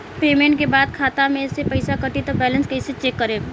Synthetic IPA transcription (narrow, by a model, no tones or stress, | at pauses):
peːmẽːɳʈkebaːd̪̚kʰaːt̪amẽsepɐɪsakɐʈit̪obɛːlə̃nskɐɪset͡ʃeːkːɐɾeː